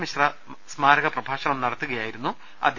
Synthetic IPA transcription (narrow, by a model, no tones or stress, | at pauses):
miɕrɐ | smaːɾɐɣɐprɐbʱaːɕɐɳɐmnɐɽɐt̪ːuɣɐjaːjiɾunːu | ɐ̰d̪ʱ